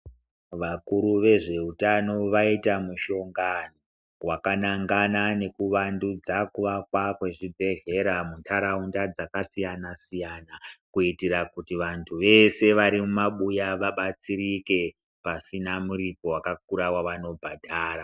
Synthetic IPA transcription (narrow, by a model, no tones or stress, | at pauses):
ʋakuɾuʋe̞ʐe̞utano̞ʋaitamuʃo̞ŋɡano | wakanaŋɡanane̞kuʋandud͡zakuʋakwakwe̞ʐibʱe̞ɮe̞ɾamuntʰaɾaundad͡zakasijanasijanakuitiɾakutiʋantʰuʋe̞se̞ʋaɾimumaɓujaʋaɓat͡siɾike̞ | pasinamuɾipo̞wakak̚uɾawaʋano̞bʱadʱaːɾa